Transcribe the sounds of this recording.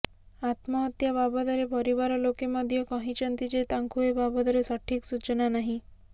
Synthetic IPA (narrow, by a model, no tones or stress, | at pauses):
at̪mɔɦɔt̪jababɔd̪ɔɾepɔɾibaɾɔlokemɔd̪ʱjɔkɔɦĩt͡ʃɔnt̪id͡ʒet̪aŋkuebabɔd̪ɔɾesɔʈʰiksut͡ʃɔnanaɦĩ